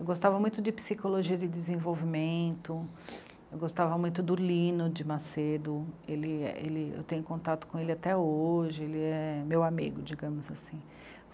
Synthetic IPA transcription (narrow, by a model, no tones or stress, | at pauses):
ewɡost̪avɐmũj̃t̪ʊd̪ɪpi̥sikoloʒiɐd̪ɪd̪ezẽvowvimẽnt̪ʊ | ewɡost̪avɐmũj̃t̪ʊd̪ʊlĩnʊd͡ʒɪmased̪ʊelɪɛ̰ʔḛlɪḛwt̪ẽjɲʊkõnt̪at̪ʊ̥kõelɪat̪ɛoʒɪelɪɛɛmewamḭɡʊd͡ʒiɡɐ̃mʊzasĩ